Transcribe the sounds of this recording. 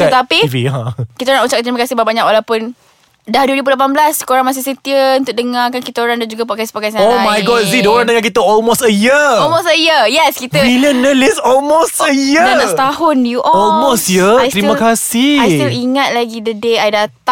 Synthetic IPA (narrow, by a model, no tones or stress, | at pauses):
t̪ət̪apiiiãkit̪aoɾãŋut͡ʃakat̪ɾiməkasɪhbabaɲak̚wʔalawpʊn | dahduwəɾibulap̬anblasːə̥koɾaŋmas̬ɪsət̪iəunt̪ʊʔ̚dəŋakankit̪aoɾaŋdand͡ʒuɡapɔt̚kɛspɔkɛsaoamajɡɔtzidəoɾaŋndəŋak̬it̪əɔlmosəjəɔlmosəjəjɛskit̪əilənəlisɔlmostəjədaɔst̪ahʊnjuʔɔɔlmosjəaj̪ɾimə̃kasiajst̪iliŋat̪̚laɡidədeajdat̪a